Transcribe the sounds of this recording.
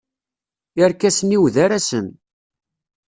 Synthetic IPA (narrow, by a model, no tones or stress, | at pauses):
əɾkæsəniwðaɾæsən